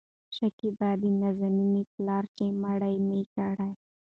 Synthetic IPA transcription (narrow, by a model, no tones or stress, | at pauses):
ʃakibad̪inazaminiplɑɾkemaɽajmekaɽaj